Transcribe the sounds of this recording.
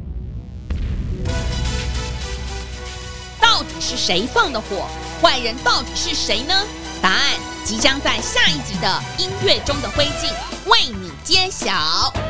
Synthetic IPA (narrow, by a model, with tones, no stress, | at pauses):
t̪ɑ˥˩ʊt̪i˨˩ʂɻ̩˥˩ʂe˧˥ɪfɑ˥˩ŋd̪ə˩xwɔ˨˩˦ | xwa˥˩ɪɻə˧˥nt̪ɑ˥˩ʊt̪i˨˩ʂɻ̩˥˩ʂe˧˥ɪnə˧ | t̪a˧˥a˥˩n | t͡ɕi˧˥t͡ɕjɑ˥ŋt͡sa˥˧ɪɕja˥˧i˥˩t͡ɕi˧˥d̪ə˧i˥nɥɛ˥˩ʈ͡ʂʊ˥ŋd̪ə˨xwe˥ɪt͡ɕi˥˩ŋ | we˥˩ɪni˨˩t͡ɕjɛ˥ɕjɑ˧˥˦ʊ